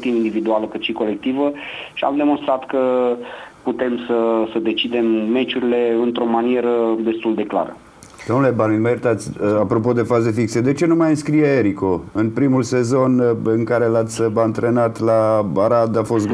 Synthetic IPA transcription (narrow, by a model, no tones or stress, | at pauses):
t̪imind̪ivid̪ualəkɨt̪ʃiko̞le̞k̚t̪ivəʃia̰md̪e̞monst̪ɾat̪kə | put̪e̞msəsəd̪e̞t͡ʃid̪e̞mːe̞t͡ʃuɾile̞ɨnt̪ɾo̞manie̞ɾəd̪e̞st̪uld̪e̞kla̰ɾə̰ | d̪̥o̞mnule̞balilmeɾt̪at̪sʲapɾo̞po̞d̪e̞faze̞fiksed̪e̞t͡ʃe̞numajɨnskɾijeeɾiko̞ɨnpɾimulse̞zo̞nɨŋkaɾe̞lat̪sʲbant̪ɾe̞nat̪labaɾad̪afo̞st̪